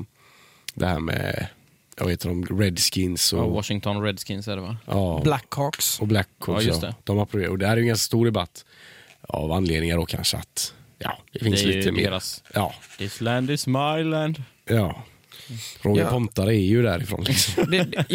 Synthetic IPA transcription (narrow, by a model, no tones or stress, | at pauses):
d̪ɛhæ̰ːɾmɛ̰ | ja̰vaheːt̪dɔmɾɛd̪skɪnsɔwɔʃɪŋt̪ʰɔnɾɛd̪skɪnsæɖɛvajɑːblækʰːɔksɔblækʰːɔst̪ɛd̪̥ɔmapʰːɾʊveːɾɔd̪ɛhæɾæɾjʏŋɡanskast̪uːɾɖ̪ɛba̰t̪ʰː | a̰vanːleːd̪nɪŋaɖɔkʰa̰nʂəa̰t̪jɑ̰ːd̪ɛfɪnsliːt̪ʰːəmḛːɾasjɑ̥ːɪslænd̪ɪsmajlænd̪ | jɑː | ɾʔoːɡ̪əpʰɔmt̪aɾəɛɾjɵd̪æɾɪfɾo̰ːnlɪksɔmd̪ɛ